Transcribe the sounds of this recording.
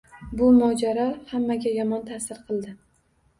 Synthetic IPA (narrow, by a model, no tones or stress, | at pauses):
bʊmɒd͡ʒaɾahamːaɡʲajɒmɒnt̪ʰasɪɾqʰɨlˠd̪ɪ